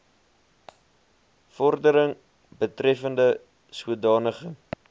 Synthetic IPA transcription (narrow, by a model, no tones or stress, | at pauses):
fɔrdəɾəŋ | bətrɛfəndə | suədɑːnəχəŋ